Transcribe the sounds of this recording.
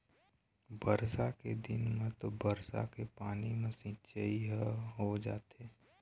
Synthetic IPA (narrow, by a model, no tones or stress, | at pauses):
bəɾsaked̪ɪnmẽt̪obəɾsa̰kepaːnimẽsɪ̃t͡ʃəiɦɦod͡ʒa̰ːt̪eː